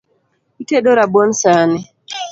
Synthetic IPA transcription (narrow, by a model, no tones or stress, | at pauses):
iteɗoɾabɔnsanɪ